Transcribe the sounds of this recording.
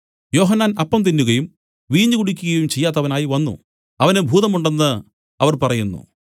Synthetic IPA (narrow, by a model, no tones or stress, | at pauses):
jo̞ːɦɐnːaːnɐpːɐmt̪̬inːuɣɐjum | ʋiːɲːuɣuɽikʲːuɣɐjumt͡ɕe̞jːaːt̪̬ːɐʋɐnaːjiʋɐnːṵ | ɐʋɐnebʱuːðɐmuɳɖe̞nːɨ | ɐʋɐrpɐrɐjunːṵ